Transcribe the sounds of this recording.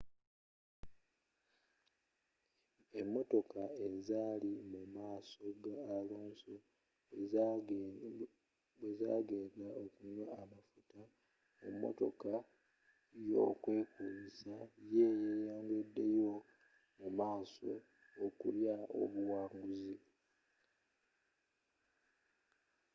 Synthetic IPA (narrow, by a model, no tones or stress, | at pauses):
e̞mːo̞to̞kae̞zaːlimumaːso̞ɡaːloːnso | eza̰ːɡe̞ːndaokuɲwaamafuta | emːo̞̰to̞̰ka | jo̞̰ːkwe̞ːkuzisajeːjeːjaːŋɡedːe̞jo̞ | mumaːso̞ː | kuljao̰βuwaːŋɡuzi